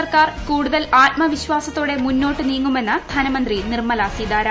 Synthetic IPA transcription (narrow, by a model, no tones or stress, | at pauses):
ɐrkaːrkuːɽuðɐlaːt̚mɐʋiɕʋaːsɐt̪ːoːɽe̞munːo̞ːʈːɨniːŋːume̞nːɨd̪ʱɐnɐmɐnd̪rinirmɐlɐsid̪aːɾɐ